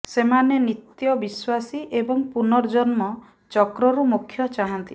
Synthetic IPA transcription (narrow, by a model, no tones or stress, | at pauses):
semanenit̪jɔbiswasiʔebɔŋpunɔɾd͡ʒɔnmɔ | t͡ʃɔkɾɔɾumukʰːjɔt͡ʃaɦant̪i